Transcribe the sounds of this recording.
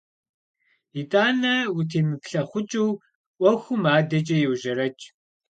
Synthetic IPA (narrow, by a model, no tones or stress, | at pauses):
itʼaːnɐwʊtʰiːmɨpɬɐχʷʊt͡ʃʼuw | ʔʷɔxʷʊmaːdɐt͡ʃʼɐjɪwʒɐɾɐt͡ʃʼ